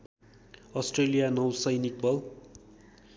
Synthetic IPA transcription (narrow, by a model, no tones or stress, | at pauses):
ʌsʈrelijanʌwsʌjnik̚bʌl